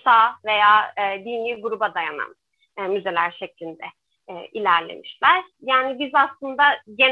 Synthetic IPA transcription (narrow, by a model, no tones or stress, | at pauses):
saːve̞jaːɯːd̪inʲiːɡuɾubad̪ajana̰nː | myze̞lʲæɾʃeclʲind̪ɛ | ɛilʲæɾlʲe̞̰miʃlʲæɾ̥ | jaːnibizaslˠɯnd̪aɟen